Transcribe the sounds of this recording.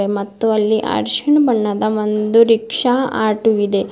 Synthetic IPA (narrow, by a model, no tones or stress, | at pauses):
emɐt̪ːuɐlːiʔa̰ɾʃiɳbɐɳːɐd̪ɐʋond̪uɾikʂaa̰ːʈuʋid̪e